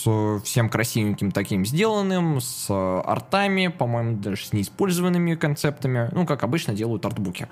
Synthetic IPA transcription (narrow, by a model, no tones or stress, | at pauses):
səfsʲe̞mkɾɐsʲivʲɪnʲkʲɪmt̪ɐkʲimzʲdʲe̞lˠənːɨmsɐ̰rt̪amʲɪpɐmo̞jɪmʊd̪aʐsʲnʲɪːspo̞lʲzəvənːɨmʲɪkɐnt̪sɛp̚t̪əmʲɪnʔukakɐbɨt͡ɕnədʲe̞lˠəjʊt̪ɐrt̪bukʲɪ̰